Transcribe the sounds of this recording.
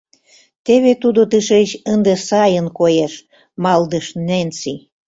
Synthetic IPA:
t̪eβet̪ud̪ot̪əʃeɕənd̪esɑjənkojeʃ | mɑld̪əʃnent͡si

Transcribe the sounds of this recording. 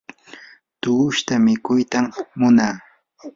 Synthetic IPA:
t̪ʊʊʃt̪amɪkʊjt̪amːʊnaː

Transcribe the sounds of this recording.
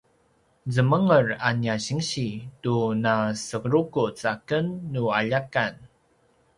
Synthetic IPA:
zəməŋəranjaɕiŋɕitunasəkɾukut͡sakənːuaʎakan

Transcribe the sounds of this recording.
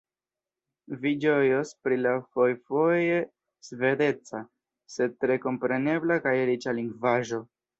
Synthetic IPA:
vid͡ʒo̞jospɾilafojfo̞je̞ | sve̞ɾe̞t͡sa | se̞d̚tɾe̞ko̞mpɾe̞ne̞blakajeɾit͡ʃaliŋɡvaʒo̞

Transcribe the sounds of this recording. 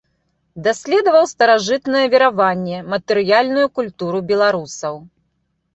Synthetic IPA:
d̪asʲlʲɛd̪ɐvɐwst̪ɐɾaʐɨt̪nɐjɛvʲiɾavanʲːɛmɐt̪ɨɾɨjalʲnujukulʲt̪uɾubʲɛlˠaɾusɐw

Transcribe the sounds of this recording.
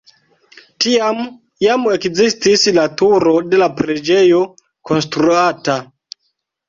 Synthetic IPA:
tiam | jame̞kzistislatuɾo̞de̞lapɾed͡ʒejo̞ | ko̞nstɾuata

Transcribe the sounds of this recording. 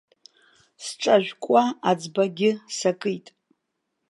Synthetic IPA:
sʈ͡ʂʼaʒʷᶣkʷʼaad͡zbaɡʲɪsakʼɨjtʼ

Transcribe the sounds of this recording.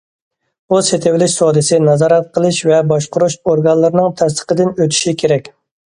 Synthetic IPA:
uset̪ʰevɪlɪʃsɑːd̪ɨsɪnɑzɑːɾɛt̪̚qʰəlˠɨʃvɛbɑʃqʊɾuʃoɾɡɑnlˠɨɾnɨŋt̪ʰɛs̬t̪ə̥qəd̪ɪnøt̪ʰy̥ʃikʲʰeɾɛkʲ

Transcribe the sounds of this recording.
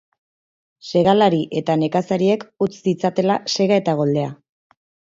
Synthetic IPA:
se̞ɣalaɾiʔe̞t̪ane̞kasaɾie̞kut͡ssit͡sat̪e̞lase̞ɣae̞t̪aɣ̞o̞ld̪e̞a

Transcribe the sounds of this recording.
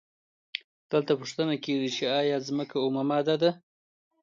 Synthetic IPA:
d̪̥əlt̪apuʂt̪ənakeʐit͡ʃeɑjɑzməkaumamɑd̪ɑd̪a

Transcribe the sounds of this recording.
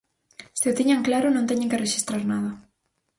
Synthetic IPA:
sɪot̪iɲaŋklaɾʊnõnt̪eɲẽŋkereʃist̪ɾaɾnaðɐ

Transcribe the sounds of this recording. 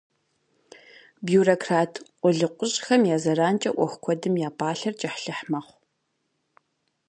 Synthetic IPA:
bjuːrokʰraːtʰqʷʼʊɮɨqʷʼʊɕʼxɐmjaːzɐraːnt͡ʃʼɐ̰ʔʷɔxʷkʷʰɔdɨmjaːpʰaːɬɐrt͡ʃʼɐħɬɨħmɐχʷ

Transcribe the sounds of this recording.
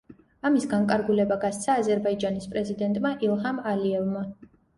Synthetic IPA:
amisɡaŋkʼaɾɡulɛbaɡast̪sʰaːzɛɾbaid͡ʒanispʼɾɛzid̪ɛnt̪ʼmaʔilˠχamaliɛvma

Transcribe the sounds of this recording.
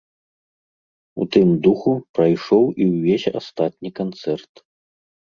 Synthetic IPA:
ṵt̪ɨmd̪uxupɾajʂɔwʔiwvʲesʲa̰st̪at̪ʲnʲikant̪sɛrt̪

